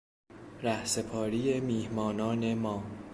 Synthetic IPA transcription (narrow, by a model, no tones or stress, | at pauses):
ɾæhse̞pʰɒːɾiːe̞miːhmɒːnɒːne̞mɒː